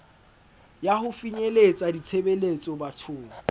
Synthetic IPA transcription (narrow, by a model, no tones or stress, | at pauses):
jaɦʊfiɲelet͡sʼadit͡sʰebelet͡sʼɔbatʰʊːŋa